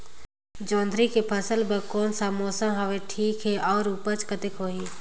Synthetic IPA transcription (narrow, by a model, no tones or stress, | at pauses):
d͡ʒɔ̃ːnd̪ɾikepʰəsəlbəkɔːnsamoːsãɦəʋeʈʰiːkɦɛʔɔːɾuːpət͡ʃkət̪ɪkɦoːɦiː